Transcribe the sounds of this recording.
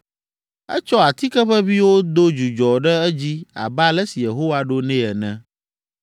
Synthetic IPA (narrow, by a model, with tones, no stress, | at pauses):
ɛ̰˦t͡ʃɔ˦a˨t̪i˦kɛ˦ɸɛ˦vi˦wo˦d̪o˦d͡ʒu˨d͡ʒɔ˨ɖɛ˦ɛ˦d͡ʑi˦a̰˨ba˦lɛ˦si˨je˨ɦo˦wa˦ɖo˦nɛ̃˦ɛ˨nɛ̃˦